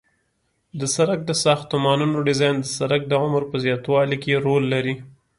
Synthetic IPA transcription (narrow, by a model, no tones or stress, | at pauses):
d̪əsaɾak̚d̪əsɑxt̪omɑnunoɖɪzɑjnd̪əsaɾak̚d̪əʕʊməɾpəzjɑt̪wɑlikeɾolːaɾi